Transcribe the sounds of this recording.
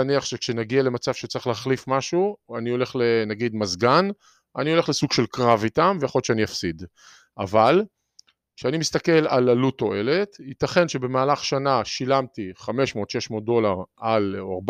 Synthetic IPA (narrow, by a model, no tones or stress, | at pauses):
niaχʃekʃenaɡiale̞mat͡sav̥ʃet͡saʁiχlehaχlifmaʃuanio̞le̞χlenaɡid̪mazɡan | anio̞le̞χlesuɡʃelkʁavitamvejaχolt͡ʃeaniafsid̪ | ʔa̰val | kʃeanimist̪ake̞lalaluto̞e̞le̞tit̪aχe̞nʃe̞be̞maːlaχʃanaʃilamtiχame̞ʃmo̞ːt̪ʃe̞ʃmot̚d̪o̞laʁalaʁb